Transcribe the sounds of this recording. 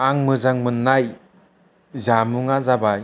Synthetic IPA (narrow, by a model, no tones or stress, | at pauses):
aŋmɯzaŋmɯnːaj | zamuŋazabaj